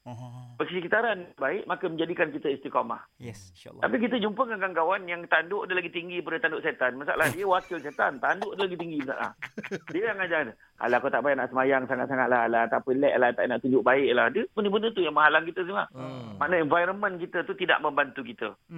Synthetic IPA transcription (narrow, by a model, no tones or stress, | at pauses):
bəsəsəkit̪aɾanabaɪʔmakəməɲd͡ʒadikankit̪əinst̪ikɔma̰h | t̪apik̬it̪əd͡ʒumpəŋaŋɡaŋɡawanjaŋt̪andʊʔadəlaɡit̪iŋɡipəɾdət̪andʊʔsɛt̪anmasa̰ʔlahdiəwakɪlsɛt̪ant̪andʊʔadəlaɡit̪iŋɡimasa̰ʔla̰hdiəjaŋad͡ʒaŋdə | a̰lakat̪aʔbajʔnaʔsəmajaŋsaŋat̪saŋat̪̚lahalat̪apəlɛʔlat̪a̰ʔnaʔt̪uɲd͡ʒʊʔ̚baɪʔlahdəbənəbənət̪ujaŋmaɦalaŋkit̪əs̬iŋa̰maʔnəɛnvajɾəmə̃nkit̪ət̪ut̪ida̰ʔməmbant̪ukit̪ə